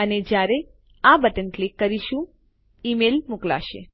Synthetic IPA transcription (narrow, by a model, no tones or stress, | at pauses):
əned͡ʒjaɾe | abəʈənklikːəɾiʃũ | imelmukla̰ʃḛ